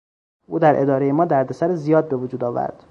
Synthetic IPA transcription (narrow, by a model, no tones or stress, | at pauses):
ʔuːd̪æɾʔe̞d̪ɒːɾe̞jemɒːd̪æɾd̪esæɾezijɒːd̪̚be̞vod͡ʒuːd̪ɒːvæ̰ɾd̪̥